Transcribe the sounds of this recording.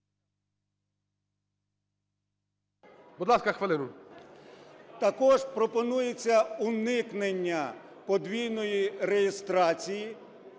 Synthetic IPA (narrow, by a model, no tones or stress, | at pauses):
bud̪lˠɑskɐxʋelˠɪnʊ | t̪ɐkɔʒpɾɔpɔnujet͡sʲːɐunɪknenʲːɐpɔd̪ʋʲijnɔjirejest̪ɾɑt͡sʲiji